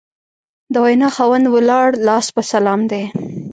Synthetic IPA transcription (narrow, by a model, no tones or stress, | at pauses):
d̪əwajnɑxɑwand̪wəlɑɽlɑspəsalɑmd̪e